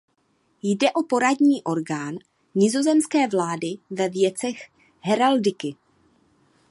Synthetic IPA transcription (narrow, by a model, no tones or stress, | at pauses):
jdɛʔo̞po̞ɾadɲiːʔo̞ɾɡaːn | ɲɪzo̞zɛmskɛːvlaːdɪvɛvjɛt͡sɛx | ɦɛɾaldɪkɪ